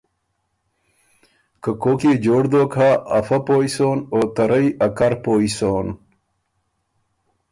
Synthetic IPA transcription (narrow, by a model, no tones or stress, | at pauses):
kəkoːkeːd͡ʑoːɽd̪oːkʰaːfɐpojsoːnoːt̪ɐɾəjɐkɐɾpoːison